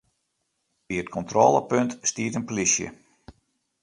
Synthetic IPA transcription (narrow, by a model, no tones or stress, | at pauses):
biət̚kʰɔntroːləpøntstiːətənpolisjə̰